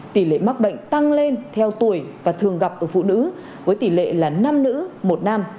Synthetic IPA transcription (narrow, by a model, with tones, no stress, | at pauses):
t̪i˧˩lḛ˧˨ma˦˥k̚ɓə̰˧˨jŋ̟t̪a˧ŋle˧nt̪ʰɛ˧wt̪u˧˩əjvaː˨˩t̪ʰɨ˨˩əŋɣa˨˩p̚ʔəː˧˩fṵ˧˨nɨ̰˧˥ | vəː˨˦jt̪i˧˩lḛ˧˨laː˨˩na˧mnɨ̰˧˥mo˨˩t̚na˧m